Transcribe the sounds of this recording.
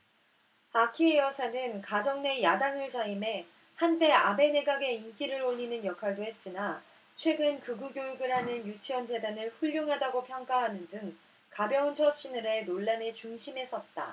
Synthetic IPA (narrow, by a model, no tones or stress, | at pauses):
akʰiejʌsʰanɯnkad͡ʑʌŋne̞jadaŋɯɭt͡ɕaime̞ | hante̞abe̞ne̞ɡaɡe̞ink͈iɾɯɾoʎːinɯnjʌkʰwaɭdoɦe̞s͈ɯna | t͡ɕʰwe̞ɡɯnkɯɡuɡjojuɡɯɾɦanɯnjut͡ɕʰiʌnd͡ʑe̞danɯɭɸuʎːoŋɦadaɡopʰjʌŋk͈aɦanɯndɯŋ | kabjʌunt͡ɕʰʌɕ͈inɯɾe̞noɭːane̞t͡ɕuŋɕʰimɦe̞s͈ʰʌt̚t͈a̰